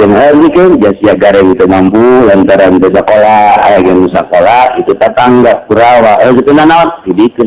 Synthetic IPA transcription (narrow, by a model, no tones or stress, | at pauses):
ɛnəzikənd͡ʒasiaɡaɾɛŋit̪umampulant̪aɾant̪ɛsakolaa̰jaɡɛnusa̰kolait̪ut̪at̪aŋɡap̚kuɾawaʔəzikənanaant̪idikə